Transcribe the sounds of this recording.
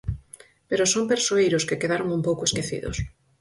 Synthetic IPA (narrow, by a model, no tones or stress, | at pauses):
peɾʊsompeɾsoejɾʊskɪkeðaɾʊŋumpowkʊeskeθḭðʊ̰s